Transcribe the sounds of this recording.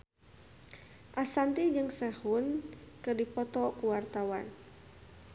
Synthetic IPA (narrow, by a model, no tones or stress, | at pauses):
ʔasant̪id͡ʒɨŋsɛhunkɨrdipɔt̪ɔkuwart̪awan